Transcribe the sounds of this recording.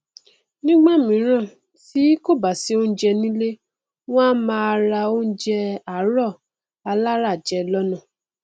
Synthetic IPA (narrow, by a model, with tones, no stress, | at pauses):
nĩ˦ɡ͡ba˦˨mĩ˨˦ɾ̃ã˦˨ | ti˨˦ko˦˨ba˨si˦o˦n̩˦d͡ʒɛ˧nĩ˦le˦ | w̃ɔ̃˦mãː˧a˧ɾa˧o˦n̩˦d͡ʒɛ˧a˨˦ɾɔ˦˨ | a˧la˦ɾa˦˨d͡ʒɛ˧lɔ˦nũ˦˨